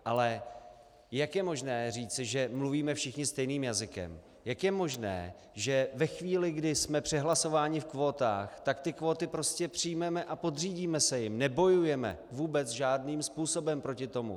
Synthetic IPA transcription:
ʔalɛ | jakjɛmo̞ʒnɛːriːt͡sɪʒɛmluviːmɛfʃɪxɲɪst̪ɛjniːmjazɪkɛ̰m | jakjɛmo̞ʒnɛ̰ː | ʒɛvɛxviːlɪɡdɪsmɛpr̝̥ɛɦlaso̞vaːɲɪfkvo̞ːt̪a̰ːxt̪akt̪ɪkvo̞ːt̪ɪpɾo̞scɛpr̝̥ɪjmɛmɛʔapo̞d̪riːɟiːmɛsɛjɪmnɛbo̞jujɛmɛ̰vuːbɛt͡sʒaːdniːmspuːso̞bɛmpɾo̞cɪt̪o̞mṵ

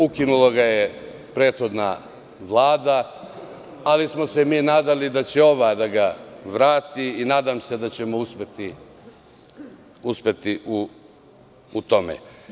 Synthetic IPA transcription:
ukinulˠaɡaje | pɾe̞ːt̪xo̞d̪na̰ | ʋlˠaːd̪a | alismo̞se̞miːnaːd̪alid̪at͡ɕe̞o̞ʋad̪aɡaʋɾaːt̪iːnaːd̪amse̞d̪at͡ɕe̞mouspe̞t̪i | uspʲe̞t̪iʔu | ut̪o̞mḛ

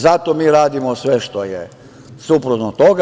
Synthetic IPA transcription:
zat̪omiːɾaːd̪imosʋe̞ʃt̪ojḛ | supɾut̪not̪oɡa

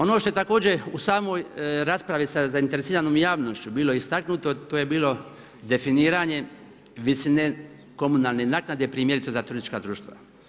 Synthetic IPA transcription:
o̞noʃt̪oe̞t̪ako̞ːd͡ʑeusaːmo̞jɾaːspɾaʋisazaint̪eɾesiːɾanoːmjaːʋno̞ʃt͡ɕubiːloist̪aknut̪o̞t̪oːje̞biːlˠo̞ | d̪e̞finiːɾaɲe̞ | ʋisine | ko̞munalne̞naːknad̪e̞pɾiːmjeɾit̪sezat̪uɾisit͡ʃʃkad̪ɾuːʃt̪ʋa̰

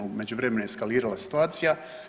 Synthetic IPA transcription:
ume̞d͡ʑuvɾemenojeskaliːɾalasi̥t̪uaːt̪sija

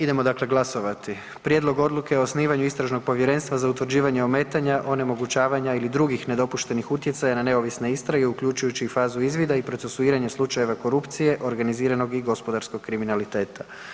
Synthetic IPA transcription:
id̪e̞mo̞d̪akle̞ɡlˠaso̞ʋat̪i | pɾjed̪lo̞ɡo̞d̪lˠuke̞osniːʋaɲuist̪ɾaʒno̞ɡ̚po̞ʋje̞ɾe̞ːnst̪ʋazaut̪ʋɾ̩d͡ʑiːʋaɲeo̞me̞ːt̪aɲaʔo̞nemo̞ɡut͡ɕaːʋaɲailid̪ɾuɡixne̞d̪o̞puʃt̪e̞nixut̪je̞t̪sajanane̞o̞ʋisne̞ist̪ɾaɡe̞ukʎut͡ʃujut͡ɕifaːzuizʋid̪aipɾo̞t̪se̞suiːɾaɲeslˠut͡ʃaje̞ʋako̞ɾupt̪sije̞ʔo̞ɾɡaniziːɾano̞ɡiɡo̞spod̪aɾsko̞ɡkːɾiminalit̪e̞ːt̪ḁ

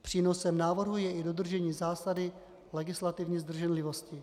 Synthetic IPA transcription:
pr̝̥iːno̞sɛmnaːvr̩ɦujɛʔɪdod̪r̩ʒɛɲiːzaːsadɪ | lɛɡɪslat̪ɪvɲiːzd̪r̩ʒɛnlɪvo̞scɪ

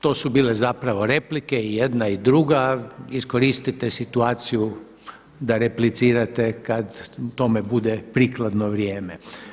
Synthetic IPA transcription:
t̪o̞ːsubiːlezapɾaʋo̞ɾe̞plikeijed̪naid̪ɾuɡaisko̞ɾist̪it̪esit̪uaːt̪siju | d̪aɾeplit̪siːɾat̪ekad̪t̪o̞mebud̪epɾiːklˠad̪noʋɾjeːme

